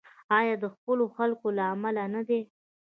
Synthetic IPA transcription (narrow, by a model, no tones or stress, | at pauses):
ɑjɑd̪əxpəloxalkolaːmalanad̪e